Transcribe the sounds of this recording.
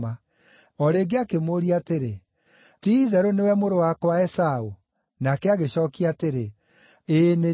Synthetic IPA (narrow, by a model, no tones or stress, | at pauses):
a | ɔɾeːɡeakemoɾiateɾe | tiːðɛɾonewɛmoɾowakwaɛsao | nakɛaɣeɕɔːkiateɾe | eːne